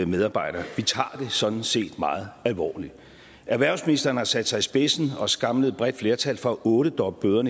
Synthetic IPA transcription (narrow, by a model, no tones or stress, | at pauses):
meðˠɑ̈ːb̥ɑ̈ɪ̰ɾ̥ɐːʋit͡sʰɑ̰̈ːd̥e̝sɒ̽d̥n̩se̝̰ːd̥mɑ̈ːð̞̩ˠælʋɒ̰ːli̥ | ʔæɐʋæɐ̰sminisd̥ɐːn̩hɑ̈sæd̥sɑ̈ɪisb̥e̝sn̩ɒ̽sɡ̥ɑ̈mləð̞̩ˠb̥ʁɛd̥fle̝ːɐt͡sʰæl̰fʁɒʔɔ̽ːɾ̥əd̥ɒ̽b̥̚b̥øːðˠɐnə